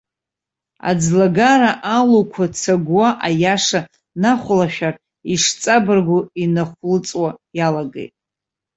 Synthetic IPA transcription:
a̰d͡zlaɡaɾaʔalokʷʰat͡sʰaɡwaʔajaʂa | naχʷlaʃᶣar | iʂt͡sʼabɨrɡʷʊinaχʷlɨt͡sʼwajalaɡḛjtʼ

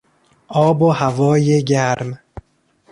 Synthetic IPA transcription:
ʔɒːbohævɒːjeɟæɾm

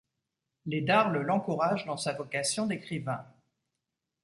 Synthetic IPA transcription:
led̪aʁləlɑ̃kuʁaʒd̪ɑ̃savɔkasjɔ̃d̪ekχivɛ̃

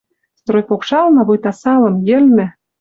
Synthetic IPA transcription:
st̪rojpokʃɑlnɑβɤjt̪ɑsɑlɤ̆mjɘ̆lmɘ̆

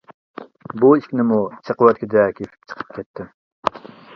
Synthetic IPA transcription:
buiʃkʲnɪmut͡ʃʰəqəwɛt̪̚kʲɪd̪ɛkʲʰefɪ̥k̚ʲt͡ʃʰə̥qʰə̥p̚kʲʰɛt̪ʰːɪm

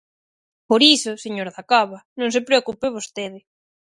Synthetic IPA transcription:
poɾisoseɲoɾðakaβanõŋsepɾeokupeβ̞ost̪eðe

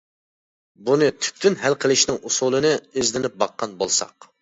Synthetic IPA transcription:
bunɨt̪ʰy̥p̚t̪ʰynɦælqʰəlˠɪʃnɪŋusulˠɨnɨøzlɪnɪp̚bɑqʰːɑnbolˠsɑ̰q

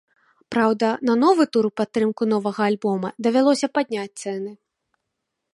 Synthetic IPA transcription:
pɾawd̪ɐnɐnɔvɨt̪uɾpat̪ːɾɨmkunɔvɐɣɐːlʲbɔmɐd̪ɐvʲalˠɔsʲɐpad̪̚ʲnʲat͡sʲt̪sɛnɨ

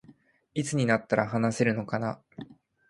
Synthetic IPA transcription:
it͡sɨɲ̟inat̪ːaɾaɦanase̞ɾɯ̟no̞kana

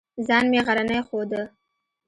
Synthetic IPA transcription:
zɑnmeɣaɾanajxod̪ə

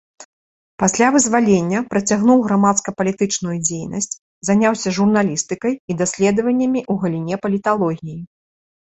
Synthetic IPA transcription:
pasʲlʲavɨzvalʲenʲːɐpɾɐt͡sʲaɣnuwɣɾamat̪skɐpɐlʲit̪ɨt͡ʂnujud͡zʲejnɐ̰sʲt͡sʲ | zanʲawsʲɐʐurnalʲist̪ɨkɐjid̪asʲlʲɛd̪ɐvɐnʲːɐmʲiʔuɣɐlʲinʲɛpɐlʲit̪alˠɔɣʲiji

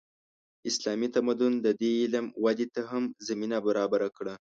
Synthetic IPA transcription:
ɪslɑmit̪amad̪ʊnd̪əd̪eɪlmwad̪et̪aɦamzaminabaɾɑbaɾakɽa

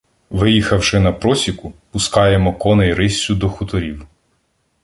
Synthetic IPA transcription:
ʋɪjixɐwʃɪnɐpɾɔsʲikʊpʊskɑjemɔkɔnɛjɾɪsʲːʊd̪ɔxʊt̪ɔɾʲiw

